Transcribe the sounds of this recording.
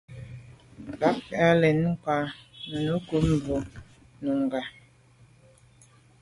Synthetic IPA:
la˨˦fɛ˨a˦lɛ˨n˦ŋ̩˦kwa˨nu˨nu˨˦ko˦m˨bo˨ | nu˨ŋ˨ɡa˨

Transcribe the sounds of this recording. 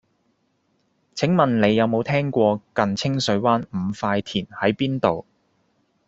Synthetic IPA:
t͡sʰɪ˨˥ŋmɐ˨nle˨˧jːɐ˨˧wmo˨˧wt̪ʰɛː˥ŋkʷɔː˧kɐ˨nt͡sʰɪ˥ŋsɵ˨˧˥ɥwaː˥nm̩˨˧faː˧jt̪ʰiː˨˩nhɐ˨˥jpiː˥nt̪o˨w

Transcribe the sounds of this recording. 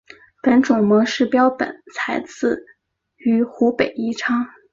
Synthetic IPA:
pə˧˥nʈ͡ʂʊ˨˩ŋmɔ˧˥ʂɻ̩˥˩pjɑ˥ʊpə̰˨˩˦nt͡sʰa˧˥ɪt͡sʰɹ̩˥˩ | y˧˥xu˧˥pe˨˩ɪi˥˩ʈ͡ʂʰɑ˥ŋ

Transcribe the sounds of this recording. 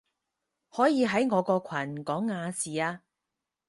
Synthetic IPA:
hɔː˨˥jiː˨˧ɦɐ˨˥jŋɔː˨˧kɔː˧kʰɐ˨˩nkɔː˨˥ŋːaː˨˧siː˨aː˧

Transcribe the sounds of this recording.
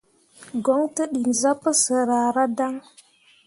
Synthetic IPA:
ɡo˨˦ŋtə˦ɗi˨nza˦pə˦sə˨ɾa˨ɾa˦da˦ŋ

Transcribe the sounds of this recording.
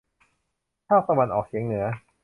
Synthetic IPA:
kʰaː˥˩k̚t̪a˧wa˧nʔɔː˨˩k̚t͡ɕʰi˩˦əŋnɯ˩˦ɐ

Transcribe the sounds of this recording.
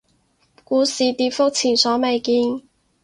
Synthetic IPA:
kuː˨˥siː˨t̪iː˨˥tfʊ˥k̚t͡sʰiː˨˩nsɔː˨˥me˨jkiː˧n

